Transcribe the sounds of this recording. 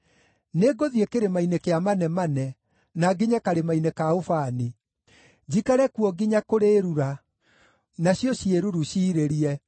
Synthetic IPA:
neɡoðiekeɾemainekeamanɛmanɛ | naɡiɲakaɾemainekaofani | d͡ʑikaɾɛkuɔɡiɲakoɾeɾuɾa | naɕjɔɕieɾuɾuɕiːɾeɾiɛ

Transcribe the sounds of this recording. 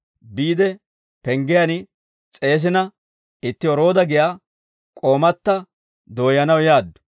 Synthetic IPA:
biːd̪ɛ | pɛŋɡɪjɐn | t͡sʼe̞ːs̬ɪnɐ | ɪt̪ːɪɔɾo̞ːd̪ɐɡɪjaː | kʼoːmɐt̪ːɐ | d̪o̞ːjɐnɐwjaːd̪ːʊ̥

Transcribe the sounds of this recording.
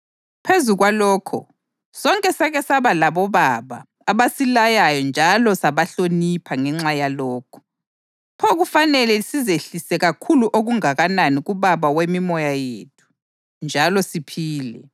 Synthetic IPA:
pʰezuɣwalɔːkʰɔ̰ | sɔŋkʼɛsaɣɛsaβalaβɔβaβa̰ː | βasilajajɔnd͡ʒʱalɔsaβaɬonipʰaŋɛŋ͡ǁajalɔːkʰɔ̥ | pʰɔɣufanɛlɛsizeɬisɛɣakʰuluʔoɣuŋaɣananiɣuβaβawemimɔjajḛt̚ʰu̥ | nd͡ʒʱalɔsipʰiːlɛ̰

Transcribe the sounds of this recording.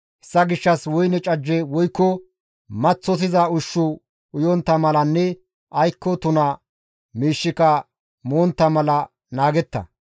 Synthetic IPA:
ʔɛsːɐɡɪʃːɐswɔjnɛt͡ʃʼɐd͡ʒːɛwɔjkːɔ | mɐt͡sːɔt̪̬ɪzɐʊʃːʊ | ʊjɔnt̪ːɐmɐlɐnːɛ | ʔɐjkːɔt̪ʊnɐ | miːʃːɪkɐ | moːnt̪ːɐmɐlɐ | naːɡɛt̪ːɐ̰

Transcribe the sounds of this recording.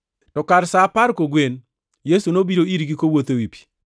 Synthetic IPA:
tɔkaɾsapaɾkoɡwen | jesunobiɾoiɾɡikowot̪owipi̥

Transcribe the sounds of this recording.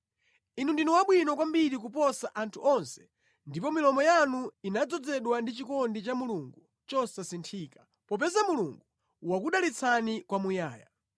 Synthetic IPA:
inundinuwaɓwinɔkwambiɾik̬upɔsaʔantʰuʔɔnsɛ̥ | ndipɔmilɔmɔjanuinad͡zɔd͡zɛɗwandit͡ʃikɔndit͡ʃamuluŋɡu | t͡ʃɔsasintʰiːkḁ | pɔp̬ɛzamuluŋɡu | wakuɗalit͡sʰanikwamujaːja̰

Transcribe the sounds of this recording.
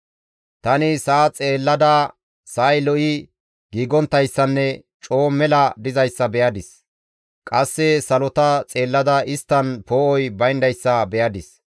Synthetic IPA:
t̪ɐnɪsɐːt͡sʼeːlːɐd̪ɐ | sɐjlɔʔɪ | ɡ̥iːɡɔnt̪ːɐjsːɐnːɛ | t͡ʃʼo̞ːmɛlɐd̪ɪzɐjsːɐbɛjɐd̪ɪs | kʼɐsːɛsɐlɔt̪ɐt͡sʼe̞ːlːɐd̪ɐʔɪst̪ːɐnpoːʔɔjbɐjnd̪ɐjsːɐbɛjɐd̪ɪs

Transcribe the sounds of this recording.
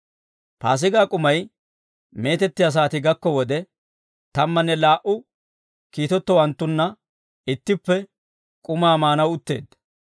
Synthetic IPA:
paːs̬ɪɡaːkʼʊmɐj | me̞ːt̪ɛt̪ːɪjas̬aːt̪ɪɡɐkːɔwɔd̪ɛ | t̪ɐmːɐnːɛlaːʔʊ | kiːt̪ɔt̪ːɔwɐnt̪ːʊnːɐ | ɪt̪ːɪpːɛ | kʼʊmaːmaːnɐwʊt̪ːe̞̰ːd̪

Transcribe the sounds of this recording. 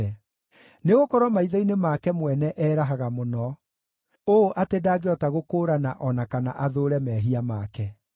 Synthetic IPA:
ɛ | neɣokɔɾwɔmaiðɔinemakɛmwɛnɛʔɛːɾaɦaɣamonɔ | oːʔatedaːɡeɔtaɣokoːɾanaʔɔnakanaʔaðoɾɛmɛɦiamakɛ

